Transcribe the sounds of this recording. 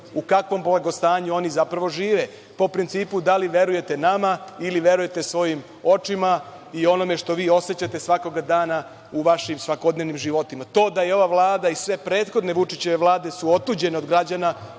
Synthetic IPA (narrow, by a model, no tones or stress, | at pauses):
ukakʋo̞mblˠaɡost̪aːɲuo̞nizapɾaʋo̞ʒiːʋe | po̞pɾint̪siːpud̪aliʋe̞ɾuje̞t̪e̞namailiʋe̞ɾuje̞t̪e̞sʋo̞jim | o̞t͡ʂima | io̞no̞me̞ʂt̪o̞ʋiːo̞se̞t͡ɕat̪e̞sʋako̞ɡad̪aːna | uʋaʃimsʋako̞d̪ne̞ʋnimʒiʋo̞t̪imat̪o̞ːd̪ajeo̞ʋaʋlˠaːd̪aisʋe̞pɾe̞ːt̪xo̞d̪ne̞ʋut͡ʂit͡ɕe̞ʋe̞ʋlˠaːd̪e̞suo̞t̪uːd͡ʑe̞neod̪ɡɾad͡ʑana